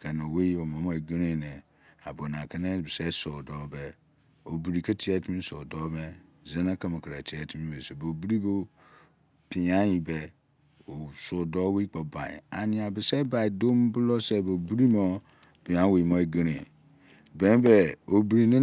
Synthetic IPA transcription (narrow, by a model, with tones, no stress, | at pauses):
kʰɛ˨n˨o˨we˦o˨mã˨˦mõ˦e˨ɡi˦ɾĩ˦˨nɛ̃˨ | a̰˨bo˨n˨ã˨kɛ˦ne˦bɪ˨sɛ˦so˨dɔ˦bɛ˨ | o˨bi˨ɾi˨ke˦tʰi˦ɛ˨˦ti˦ĩ˦so˨dɔ˦mɛ˦ | ze˦na˦ke˦me˨kɾe˨tʰi˨˦ɛ˨˦tʰi˦mĩ˦be˨se˨bo˨bu˦ɾi˦bo˦ | pi˨ã˦ji˨bɛ˦ | o˨sʊ˨dɔ˦we˦i˦k͡pɔ˨bã̰˨a̰˨nɪ̃˨a˨bɪ˨sɛ˦ba˨i˨do˦m˦bʊ˦lɔ˦sɛ˦bo˨bu˦ɾi˦mɔ˦ | b̥ĩ˨ã˨˦we˨i˨mɔ˦e˨ɡi˦ɾi˨ | bɛ̃˦bɛ˨o˨bi˨ɾi˨nẽ˦